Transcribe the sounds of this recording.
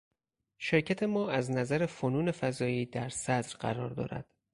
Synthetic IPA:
ʃe̞ɾcʰæt̪ʰe̞mɒːæznæzæɾe̞fonuːne̞fæzɒːiːd̪æɾsæd̪ɾɢæ̰ɾɒ̰ːɾd̪ɒ̰ːɾæ̰d̪̥

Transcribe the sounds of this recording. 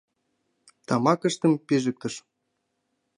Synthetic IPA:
t̪ɑmɑkə̆ʃt̪ɤ̆mpeʒɘ̆k̚t̪ɤ̆ʃ

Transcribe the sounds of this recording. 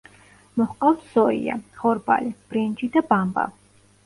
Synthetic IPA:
mɔhqʼawt̪ʰz̥ɔḭa̰χɔɾba̰lib̥ɾɛnd͡ʒid̪abamba̰

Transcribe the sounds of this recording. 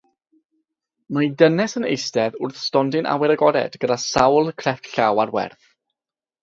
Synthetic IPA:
majdənɛsənḛjstɛðʊrθstɔndɪnʔa̰wɛɾəɡɔdɛ̰dɡədasawlˠkʰrɛftɬawarwɛ̰rθ

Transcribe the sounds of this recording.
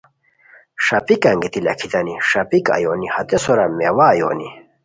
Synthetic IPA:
ʂɐpikɐŋɡet̪ilɐ̰kʰit̪ɐniʂɐpikɐ̰jonihɐt̪esoɾɐmewaːjo̰ni

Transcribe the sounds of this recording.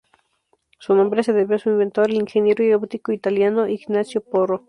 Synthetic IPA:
sunõmbɾeseðeβjoasuimbent̪oɾeliŋxenjeɾoioβt̪ikoit̪aljanoʔiɡnasjoporo

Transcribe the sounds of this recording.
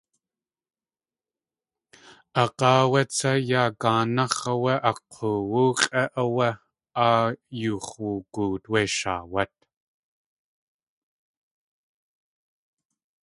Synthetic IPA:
ɑqɑːwɐt͡sʰɐjaːkaːnɑχɐwɐʔɐqʰowuːqʼɐʔɐwɐ | aːjuːχwukuːt̪weʃa̰ːwɐt̪̚

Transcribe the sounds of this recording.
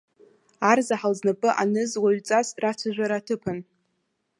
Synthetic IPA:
arzaħalznapʼɨʔa̰nɨzwaɥt͡sʼasrat͡sʷʰaʒᶣʷaɾaːtʰɨpʰan

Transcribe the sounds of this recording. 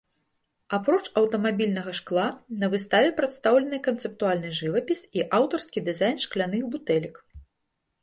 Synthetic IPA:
apɾɔt͡ʂɐwt̪ɐmabʲilʲnɐɣɐʂklˠanɐvɨst̪avʲɛpɾat̪st̪awlʲɐnɨjkɐnt̪sɛp̚t̪ualʲnɨʐɨvɐpʲisiʔawt̪ɐrskʲid̪ɨzajnʂklʲan̪ɨxbut̪ɛlʲik

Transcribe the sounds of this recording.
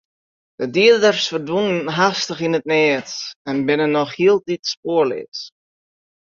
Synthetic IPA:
d̥ədiədərsfərdunənɦastəχinət̚nɛətɛnbɪnənːɔχhiəlˠtitspoərlɪ̰t

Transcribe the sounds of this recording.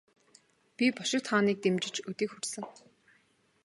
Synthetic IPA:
pʲipɔʃɪ̆k̚t̪χaːniːk̚t̪emt͡ɕɪ̆t͡ɕɵt̪iːkxursɘ̆ŋ

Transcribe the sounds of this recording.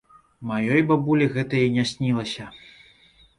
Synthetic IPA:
majɔjbabulʲiɣɛt̪ɐjɐnʲasʲnʲilˠɐsʲɐ

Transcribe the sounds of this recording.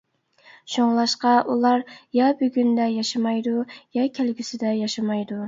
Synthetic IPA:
ʃoŋlˠɑʃqɑʔulˠɑɾjɑbyɡʲynd̪ɛjɑʃɑmɑjd̪ujɑkʲʰælɡʲysɪd̪ɛjɑʃɑmɑjd̪u

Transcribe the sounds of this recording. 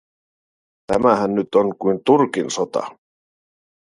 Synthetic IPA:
t̪æmæɦænːyt̪onkujnt̪urkinsot̪ɑ̰

